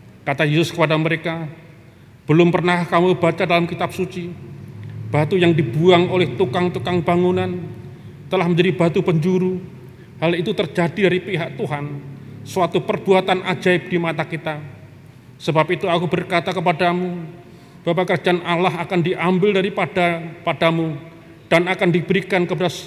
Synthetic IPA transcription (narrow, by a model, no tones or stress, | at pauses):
kat̪ajesʊskəpadaməɾeka | b̥əlʊmpərnahkamubat͡ʃadalamkit̪ap̚sut͡ʃi | b̥at̪ujaŋdibuaŋolɛht̪ukaŋt̪ukaŋbaŋunan | t̪əlahməɲd͡ʒadibat̪upəɲd͡ʒuɾu | halit̪ut̪ərd͡ʒadidaɾipiɦak̚t̪uɦansuat̪upərb̥uat̪anʔa̰d͡ʒaɪp̚d̥imat̪akit̪a | səbap̚it̪uakubərkat̪akəpadamu | b̥apakərd͡ʒanʔalaɦakandiʔambɪldaɾipadapadamu | d̥anakandibəɾikankəpada